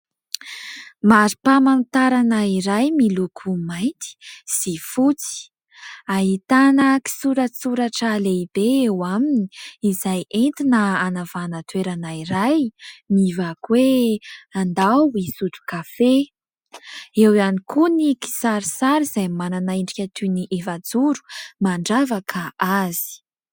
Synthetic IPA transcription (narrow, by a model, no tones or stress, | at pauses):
maɾipamant̪aɾanaiɾajmilukʰumajnt̪i̥z̥ifut͡si̥ | aɦit̪anəki̥suɾasuɾaʈ͡ʂəleibeewaminiizajent̪inəanavanət̪weɾanaiɾajmivakwe | and̪awisut͡su̥kafe | ewanikuniki̥saɾisaɾizajmananaiɳɖ͡ʐikʲat̪ʰuniʔevad͡zuɾu̥maɳɖ͡ʐavakʰəaz̥i̥